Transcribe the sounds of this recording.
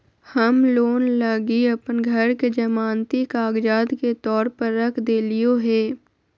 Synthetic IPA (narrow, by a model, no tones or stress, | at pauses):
hɐmloːnlɐɡiɐpənɡʱɐɾked͡ʒɐmaːnt̪ikaːɡd͡ʒaːd̪ket̪ɔːɾpəɾːɐkʰd̪eːlijoɦɛː